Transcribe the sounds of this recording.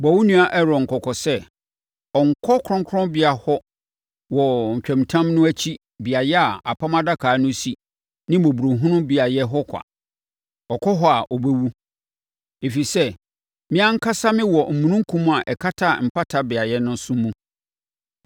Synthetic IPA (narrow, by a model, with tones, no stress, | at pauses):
bɔ˨wu˦nũ˦a˨ʔɛ˦ɾɔ˨ŋ̩˨kʰɔ˨kʰɔ˨sɛ˦ | ɔ˨ŋ̩˨kʰɔ˦kʰɾɔ̃˦ŋkʰɔ̃˦bɪ˦a˨hɔ˦ | wɔ˨ɲ̩˨t͡ɕᶣɛ̃˨mtʰã˦mnʊ̃˦æ˦t͡ɕʰi˦ | bi˨a˨jɛ˦a˨a˨pʰa˦ma˦da˦kʰaː˨˦nʊ̃˦si˦ | nɪ̃˦mɔ̃˨bu˨ɾo˨ɦũ˦nʊ̃˦bi˨a˨jɛ˦ɦɔ˦kʷʰa̰˨ | ɔ˨kʰɔ˦ɦɔ˦˨a˨ʔɔ˨be˦wu˦ | e˨fi˨sɛ˦ | mɪ̃˦ã˦ŋ̩˦kʰa˦sa˦mɪ̃˦wɔ˨m̩˨mũ˨nũ˦ŋ̩˦kʰũ˦mũ˦a˨ʔɛ˨kʰa˦tʰa˦˨m̩˨pʰa˦tʰa˨bɪ˨a˨jɛ˦nʊ̃˦n˦sʊ̃˦mũ˦